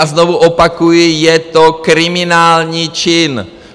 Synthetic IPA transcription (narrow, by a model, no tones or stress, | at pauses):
aznovuʔopakujɪjɛt̪okɾɪmɪnaːlɲiːt͡ʃɪn